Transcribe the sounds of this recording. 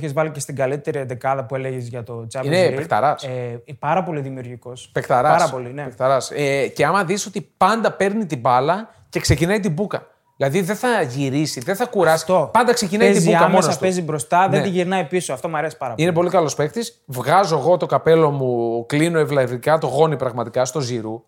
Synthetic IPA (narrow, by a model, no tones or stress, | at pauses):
çezvɐlicest̪iɡɐlit̪eɾiðekɐðɐpue̞leʝezʝɐt̪o̞t͡sɐvineipekt̪ɐ̰ɾɐspɐɾɐpo̞liðimiuɾʝiko̞spekt̪ɐɾɐsɐpolinepekt̪ɐɾɐsece̞ɐmɐðiso̞t̪ipɐnd̪ɐpe̞ɾnit̪ibɐlɐ | ce̞kse̞cinɐit̪ibukɐ | ðilɐðiðeθɐʝiɾisiðeθɐkuɾɐsi̥t̪opɐnd̪ɐksecinɐieziukɐmont̪pezibɾo̞st̪ɐðend̪iʝiɾnɐipisoɐft̪o̞mɐɾesi̥pɐɾɐinep̬o̞likɐlo̞spe̞xt̪is | vɣɐzo̞eɣo̞t̪o̞kɐpe̞lo̞muklino̞evlɐvikɐt̪o̞ɣo̞nipɾɐɣmɐt̪ikɐst̪o̞ziɾu